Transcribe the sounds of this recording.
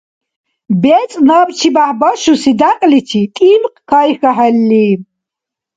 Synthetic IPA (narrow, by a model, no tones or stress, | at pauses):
bɛt͡sʼnabt͡ʃʰibaħbɔʃusid̪aqʼlit͡ʃʰit̪ʼimqkʰaixaħɛlːi